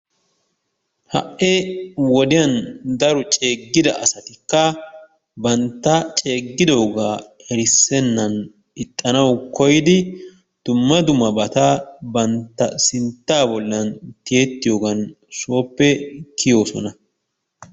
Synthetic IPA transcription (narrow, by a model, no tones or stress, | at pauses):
hɐ̰ʔːewɔd̪ɪjɐnd̪ɐɾɔt͡ʃʼe̞ːɡːɪd̪ɐʔɐsɐt̪ɪkːɐ | bɐnt̪ːɐt͡ʃʼe̞ːɡːɪd̪o̞ːɡaːɛɾɪsːɛnːɐn | ɪt̪ʼːɐnɐwkɔjɪd̪ɪ | d̪̥ʊmːɐd̪ʊmɐbɐt̪abɐnt̪ːɐsɪnt̪ːaːbɔlːɐnt̪ɪjeːt̪ːɪjo̞ːɡɐn | so̞ːpːɛkʰɪjo̞ːsɔ̰nɐ